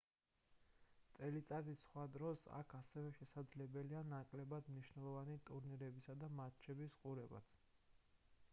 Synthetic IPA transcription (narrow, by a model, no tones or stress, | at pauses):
t̪ʼɛlit̪sʼad̪iχwad̪ɾɔsa̰kʰasɛvɛʃɛsad̪zlɛbɛlianakʼlɛbad̪mniʃnɛlˠɔvanit̪ʼuɾniɾɛbisad̪amat̪t͡ʃʰɛbisqʼuɾɛba̰t̪sʰ